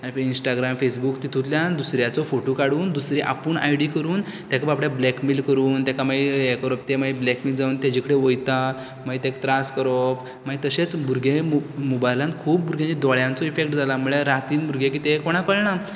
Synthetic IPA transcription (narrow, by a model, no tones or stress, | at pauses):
aɽ̃ifinsʈaɡɾamfesbukt̪it̪ʰut̪ljãnd̪usɾjat͡sɔfoʈokaɽuːnd̪usɾeʔa̰puːɳa̰jɽikəɾuːnt̪jakabapɽjablɛkmilkəɾuːnt̪akamaiekəɾɔft̪emaiblɛkmild͡zauːnt̪ed͡ʑikəɽeʋojt̪a | mait̪ekʈɾaskəɾɔf | mait̪əɕet͡sbuɾɡʱemobajlãnkʰuːpbuɾɡjãnid̪ɔɭjãnt͡sɔifekʈd͡zʱalam̤uɭeɾat̪iːnbʱuɾɡekit̪ekoɽ̃akəɭɳa